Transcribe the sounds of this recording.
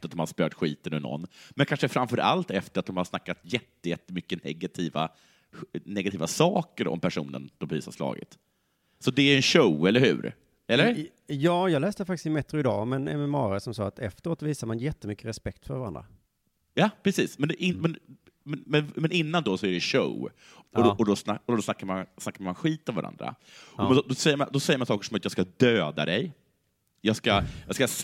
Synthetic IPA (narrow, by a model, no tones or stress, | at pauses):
at̪̚d̪ɔmhaspœːt̪ɧḭːt̪ənɵnɔ̰nːmɛnkʰanʂəfɾamfœːɾa̰lt̪ɛft̪əɾat̪d̪ɔmhaʂnakːat̪jɛt̪ːəjɛt̪ːəmʏkːənɛɡat̪ʰiːva̰ | nɛɡat̪ʰiːvasɑːkəɾɔ̰mpʰæʂṵːnə̰nd̪̥ɔmpɾḭːsa̰ʂlɑ̰ːɡə̰t̪ | sɔd̪ɛæɾɛnɕoʊɛlːəɾhʉ̟̰ːɾ | ɛlːəɾ | jɑːjɑːlɛːst̪əfak̚t̪ɪ̥sɪmɛt̪ɾʊɪd̪ɑ̰ːmɛnɛ̰mɛmɑːɾasɔmsɑːat̪ʰɛft̪əɾoːt̪viːsad̪əmanjɛt̪ːəmʏkːəɾɛspɛkt̪fœɾvaɾa̰nd̪ɾa̰ | jɑːpʰɾɛsiːsmɛnd̪ɛʔɪmɛn | mɛmɛnmɛnɪnːand̪ɔsɔæɖɛʃo̰ʊ | ɔɔd̪ɔsnaɔd̪ɔsnakːaɾmansnakːaɾmanɧiːt̪ɔmva̰ɾa̰nd̪ɾa̰ | ɔɔd̪ɔsɛjːəɾma̰nd̪ɔsɛjːəmansɑːkəʂɔmat̪jɑːɡskad̪øːd̪a̰d̪ɛj | jɑːɡskajɑɡska